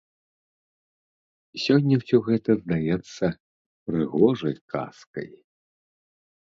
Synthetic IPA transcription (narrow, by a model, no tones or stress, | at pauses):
sʲɔnʲːɐwsʲɔɣɛt̪ɐzd̪ajɛt̪sːɐ | pɾɨɣɔʐɐjkʰa̰skɐ̰j